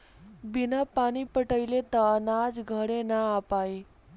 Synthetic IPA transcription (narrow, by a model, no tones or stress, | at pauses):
binapaɽ̃ipəʈəjlet̪əːnad͡zɡʱəɽenaːpaj